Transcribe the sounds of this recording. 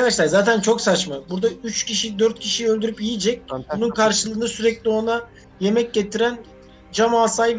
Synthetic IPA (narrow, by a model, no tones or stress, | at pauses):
kad̪aʃlˠaɾzaːt̪ʰænt͡ʃʰo̞ksat͡ʃmabuɾd̪ayt͡ʃcʰiʃid̪øɾt̪̚cʰiʃijølʲd̪yɾypijid͡ʒɛc̚bununkʰaɾʃɯlˠɯːnɯsyɾɛclʲio̞na | je̞mɛc̚ɟe̞t̪ʰiɾæn | d͡ʒamaːsajv